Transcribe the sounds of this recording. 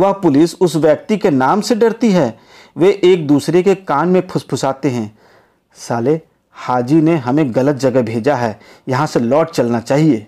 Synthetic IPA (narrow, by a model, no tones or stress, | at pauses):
ʋɐɦpʊlɪsʊsʋjɛk̚t̪ikenaːmseɖɐɾt̪iɦɛː | ʋeʔːk̚d̪uːsɾekekaːnmẽpʰʊspʰʊsaːt̪eɦɛ̃ː | saːle | haːd͡ʒineɦɐmẽɣɐlət̪̚d͡ʒɐɡɛɦbʱeːd͡ʒaɦɛː | jɐɦãselɔːʈ̚t͡ʃɐlnat͡ʃaːɦieː